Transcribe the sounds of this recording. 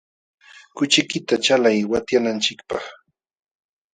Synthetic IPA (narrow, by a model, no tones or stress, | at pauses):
kʊt͡ʃɪkɪt̪at͡ʃalajwat̪janant͡ʃɪkpɑχ